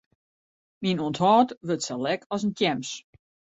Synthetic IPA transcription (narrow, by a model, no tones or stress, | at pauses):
minuənthɔːtʋøtsɛlɛkʰɔsəntjɛms